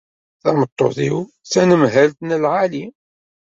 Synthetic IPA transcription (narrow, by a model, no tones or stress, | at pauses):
θæmət̪ˤːo̰ðḭw | θænəmɦælt̪nəlʕali